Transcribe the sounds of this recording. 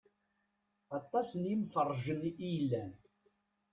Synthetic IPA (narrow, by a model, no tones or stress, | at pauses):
ɑt̪ˤːɑsənjimfərˤːʒənijlːæn